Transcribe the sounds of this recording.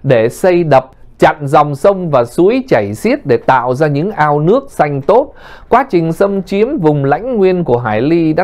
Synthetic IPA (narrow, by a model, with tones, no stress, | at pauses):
ɗe˧˩sə˧jɗə˨˩p̚t͡ɕa̰˧˨nzɔ˨˩wŋ͡msə˧wŋ͡mvaː˨˩su˨˦əjt͡ɕə˧˩jsi˦˥ət̚ɗe˧˩t̪a̰ː˧˨wzaː˧ɲɨ̰˧˥ŋʔaː˧wnɨ˦˥ək̚sa˧jŋ̟t̪o˦˥t̚ | kwaː˨˦t͡ɕï˨˩ŋ̟sə˧mt͡ɕi˨˦əmvʊ˨˩ŋ͡mla̰˧˥jŋ̟ŋwi˧ənku˧˩əɦaː˧˩jli˧ɗa̰ː˦